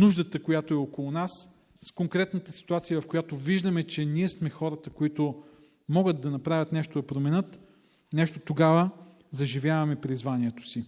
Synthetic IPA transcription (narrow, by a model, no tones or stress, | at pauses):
nuʒd̪ət̪əkojat̪oɛokolˠʊnas | skoŋkɾɛt̪nət̪əsi̥t̪uat̪siəvɐfkojat̪oviʒd̪ɐmɛt͡ʃɛniɛsmɛxɔɾət̪əkoit̪ʊ | mɔɡəd̪̚d̪ɐnɐpɾavʲɐt̪nɛʃt̪od̪ɐpɾomɛnɤt̪ | nɛʃt̪ot̪oɡavə | zɐʒivʲjavɐmɛpɾizvaniɛt̪o̥si